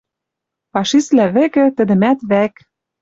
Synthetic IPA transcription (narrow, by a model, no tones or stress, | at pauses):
pɑʃislæβɘ̆kɘ̆t̪ɘ̆d̪ɘ̆mæt̪βæk